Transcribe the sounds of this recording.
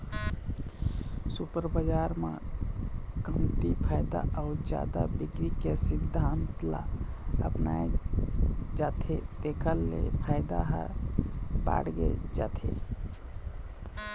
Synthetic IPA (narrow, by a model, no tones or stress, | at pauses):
supəɾbəd͡ʒaɾmḛ | kəmt̪ipʰajd̪aʔaʊd͡ʒa̰d̪abikɾikesid̪ʱːant̪la̰ | əpnae | d͡ʒat̪ʰed̪ekʰəlːḛpʰajd̪aɦə̰ɾ | ba̰ɽɡḛd͡ʒat̪ʰḛ